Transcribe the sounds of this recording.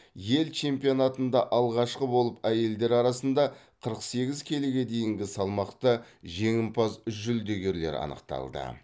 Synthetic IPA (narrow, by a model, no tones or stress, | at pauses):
je̞lt͡ʃʰe̞mpijo̞nɑt̪ənd̪ɑʔɑlˠʁɑʃqəbo̞lˠəpæje̞ld̪e̞ɾɑɾɑsənd̪ɑ | qʰəɾəqse̞ɡʲɪzkʲʰe̞leɡʲe̞d̪e̞jɪŋɡʲɪsɑlˠmɑqt̪əʒe̞ŋɪmpʰɑzʏsʒʏld̪e̞ɡʲe̞ɾle̞̰ɾɑ̰nə̰qt̪ɑ̰lˠd̪ə̰